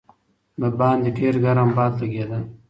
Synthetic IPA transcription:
bəbɑːnd̪eɖeːɾɡaɾambɑːd̪laɡed̪ə

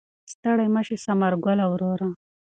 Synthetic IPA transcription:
st̪əɽajməʃesamaɾɡalawɾoɾa

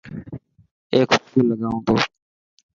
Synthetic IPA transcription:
eːkuːlːəɠaːõːt̪oː

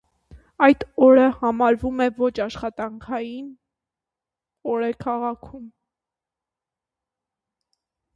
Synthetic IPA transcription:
ɑjt̪ɔɾəhɑmɑɾvumɛvɔt͡ʃʰɑʃχɑt̪ɑŋkʰɑjin | ɔɾɛkʰɑʁɑkʰum

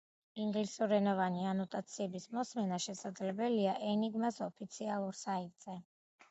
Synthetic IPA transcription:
iŋɡlisuɾɛnɔvanianɔt̪ʼat̪sʰiɛbismɔsmɛnaʃɛsad̪zlɛbɛliaʔɛniɡmasɔpʰit̪sʰialˠuɾsait̪ʼz̥ɛ

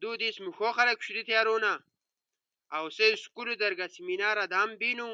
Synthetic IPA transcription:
d̪ud̪ismuxoxɐɾeku̥ɕuɾit̪ʰjaɾuːna | awseskulud̪ɐɾɡasiminaːɾad̪ambinu

